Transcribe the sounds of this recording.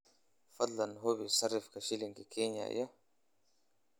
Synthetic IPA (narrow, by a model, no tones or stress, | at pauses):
fɐd̪lɐnɦobisɐrːɪfkaʃiliŋkikʰeːɲa̰ja